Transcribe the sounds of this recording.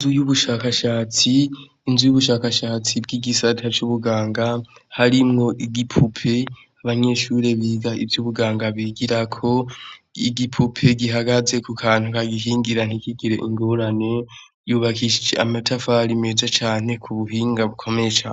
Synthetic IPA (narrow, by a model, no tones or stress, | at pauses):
zujuβuʃaːkaʃaːt͡siː | nzujuβuʃaːkaʃaːt͡sibɡiɡisatʰat͡ʃuβuɡaːŋɡahaɾimŋo̞ʔiɡipʰupʰe̞ | aβaɲe̞ʃuːɾe̞βiɡaivjuβuɡaːŋɡaβiɡiɾakʰo̞iɡipʰupʰe̞ɡiɦaɡaze̞kukʰaːn̥hukaɡiɦiːŋɡiɾan̥hikiɡiɾe̞ʔiŋɡoɾane̞ | juːβakʰiʃid͡ʒḛamatʰafaɾime̞zat͡ʃaːne̞kʰuβuɦiːŋɡaβukʰo̞meet͡ʃaːn